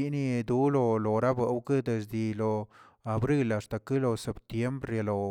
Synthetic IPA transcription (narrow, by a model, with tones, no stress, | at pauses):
i˧ni˧d̪u˦lo˧lo˨ɾa˦bə˨wkɨ˦d̪e˧s̬d̪i˧lo˨ | a˨bɾi˦la˨st̪a˨˧kɨ˦lo˧se˨pt̪je˦mbɾe˧˨lo˨